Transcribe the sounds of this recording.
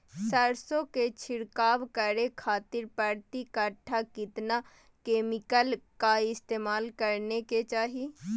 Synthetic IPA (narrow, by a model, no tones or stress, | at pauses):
səɾsõket͡ʃʰɪɽkaːʋkəɾekʰaːt̪ɪɾpəɾt̪ikəʈʰːakɪt̪na | keːmɪkəlkaɪst̪eːmaːlkəɾneket͡ʃaːɦi